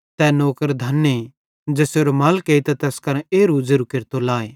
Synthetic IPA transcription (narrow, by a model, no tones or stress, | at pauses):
t̪ɛnoːkəɾd̪ʱɐnːe | d͡ʒɛːseɾomɐlkeːit̪ɛt̪ɛːskɐɾɛ̃eːɾud͡ʒeɾukeɾt̪olaːeː